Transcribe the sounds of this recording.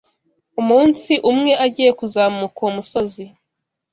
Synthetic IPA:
umuːnsiʔumŋe̞ʔaɟiːje̞kuzaːmukoumuso̞zi

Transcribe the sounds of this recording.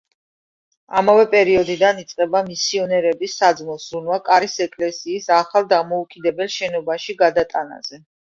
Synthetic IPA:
amavɛpʼɛɾiɔd̪id̪anit̪sʼqʼɛbamisiɔnɛɾɛbisːad̪zmɔsɾunwakʼaɾisɛkʼlɛsiːsaχalˠd̪amɔukʼid̪ɛbɛlˠʃɛnɔbaʃiɡad̪at̪ʼana̰z̥ɛ

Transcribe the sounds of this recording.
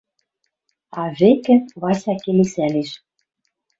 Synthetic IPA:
ɑβekɘ̆βɑsʲɑkelesæleʃ

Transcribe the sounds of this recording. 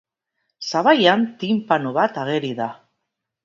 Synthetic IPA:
saβajant̪impanoβat̪aɣ̞e̞ɾiða

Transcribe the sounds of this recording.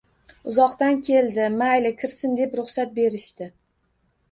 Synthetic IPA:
ʊzɒqt̪ankʲʰe̞ld̪ɪmajlɪkʲʰɪɾsɪnd̪e̞pɾʊχsat̪̚be̞ɾɪʃt̪ɪ

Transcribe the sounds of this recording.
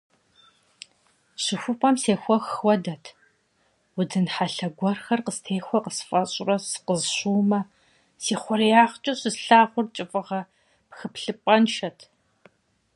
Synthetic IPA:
ɕɨxʷʊpʼɐmseːxʷɔxxʷɔdɐtʰ | wʊdɨnħaɬɐɡʷɔrxɐrqəstʰeːxʷɔqəsfʼɐɕʼrɐsɨ̥qəzɕuːmɐ | siːχʷɔɾijaːχt͡ʃʼɐɕɨsɬaːχʷʊrt͡ʃʼɪfʼɨʁɐ | pxɨpɬɨpʷʼɐnʃɐtʰ

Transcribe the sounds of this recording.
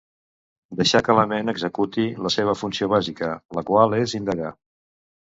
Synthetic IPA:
d̪əʃakələmenəɡzəkut̪iləseβ̞əfunsioβ̞azikələkwalˠezind̪əɣa

